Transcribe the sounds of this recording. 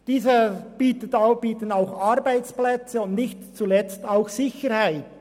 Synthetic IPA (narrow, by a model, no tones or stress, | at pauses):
d̥iːzəb̥iːtətab̥iːtənaʊxɑʁɾbaɪt͡splɛt͡səʊndnɪçtt͡sulɛt͡staʊxsɪçəɾhaɪt